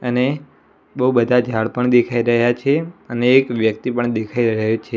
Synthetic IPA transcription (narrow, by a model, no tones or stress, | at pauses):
əne | bəɦubəd̪ʱad͡ʒʱaɭpəɳd̪ekʰaiɾəɦjat͡ʃʰeəneːkʋjəkt̪ipəɳd̪ekʰaiɾəɦot͡ʃʰe